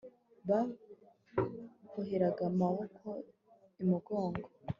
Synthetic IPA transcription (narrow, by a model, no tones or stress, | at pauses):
βa | koɦeɾaɡamahokʰo | imuɡo̞ːŋɡo